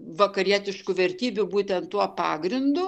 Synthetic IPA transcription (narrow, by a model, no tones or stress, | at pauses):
ʋɐkɐɾʲiɛt̪ʲɪʃkʊʋʲɛɾʲt̪ʲiːbʲʊbuːt̪ʲɛnt̪tuɔpɑːɡɾʲɪnd̪ʊ